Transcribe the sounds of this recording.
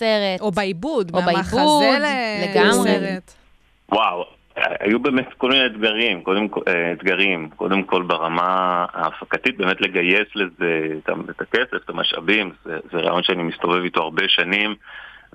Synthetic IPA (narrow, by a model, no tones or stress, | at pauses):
seʁeoeibud̪obeibudleɡamʁe | waw̰ | a̰jube̞ːme̞tko̞lmineːtɡaʁimko̞demkeet̪ɡaʁimko̞̰d̪e̞mko̞lbaʁamaaːfakatit̚be̞ːmetle̞ɡaje̞sle̞zet̪a̰et̪akeseft̪amaʃʔa̰bimzezeʁa̰a̰jo̞nʃeanimist̪o̞ve̞vito̞aʁbe̞ʃanim